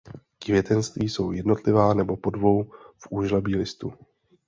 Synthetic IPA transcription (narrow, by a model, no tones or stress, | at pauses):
kvjɛt̪ɛnst̪viːso̞wjɛdno̞t̪lɪvaːnɛbo̞po̞dvo̞wfʔuːʒlɛbiːlɪst̪u